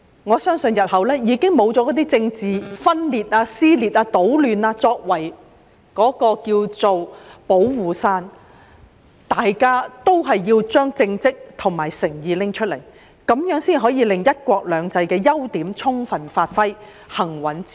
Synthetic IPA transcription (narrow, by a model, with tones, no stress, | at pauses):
ŋɔː˨˧sœː˥ŋsɵ˧njɐ˨t̚hɐ˨˩wlɛː˥jiː˨˧kɪ˥ŋmo˨˧wt͡sɔː˨˥kɔ˨˥t̪iː˥t͡sɪ˧ŋt͡siː˨fɐ˥nliː˨t̚aː˧siː˥liː˨t̚aː˧t̪o˨˥wlyː˨˩naː˧t͡sɔː˧k̚wɐ˨˩j | kɔː˨˥kɔː˧kiː˧wt͡so˨wpo˨˥wwuː˨˩saː˧n | t̪aː˨jkaː˥t̪o˥wɦɐ˨jːiː˧wt͡ʃœː˥ŋt͡sɪ˧ŋt͡sɪ˥k̚t̪ʰʊ˨˩ŋmaː˨˩jsɪ˨˩ŋjiː˨˧lɪ˥ŋt͡ʃʰɵ˥t̚le˨˩j | kɐ˨˦mjœː˨˥ŋsiː˥nɦɔː˨˥jiː˨˧lɪ˨ŋjɐ˥t̚kʷɔː˧k̚lœː˨˧ŋt͡sɐ˧jkɛː˧jɐ˥wt̪iː˨˥mt͡sʰʊ˥ŋfɐ˨nfaː˧t̚fɐ˥j | hɐ˨˩ŋwɐ˨˥nt͡si̥˥